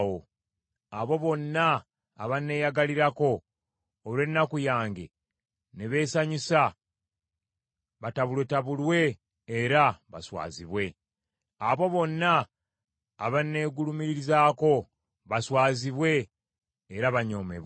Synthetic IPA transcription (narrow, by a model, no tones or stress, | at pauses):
o | aβo̞βo̞nːaː | βanːe̞ːjaɡaliɾako̞ː | lwe̞nːakujaːŋɡḛ | neβe̞ːsaɲisa | βataβulwe̞taβulwe̞ː | ɾaβa̰swa̰ːziβwe̞ | aβo̞βo̞nːaː | βanːe̞ːɡulumiɾiɾizaːko̞ | βaswaːziβwe̞ː | ɾaβaɲo̞ːme̞̰β